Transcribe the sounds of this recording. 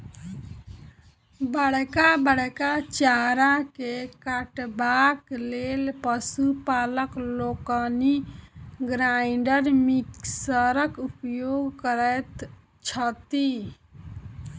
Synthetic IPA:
bəɽ̤kabəɽkat͡ʃaɾakekaʈbaklelpəsupaləklokəni | ɡɾaɪɳɖəɾmiksəɾəkupjoɡkəɾət̪ | t͡ʃʰət̪i

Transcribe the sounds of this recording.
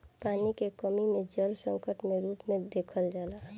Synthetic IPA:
paːnikekəmimẽd͡ʒəlsə̃ŋkəʈmẽɾuːpmẽd̪eːkʰəld͡ʒaːlaː

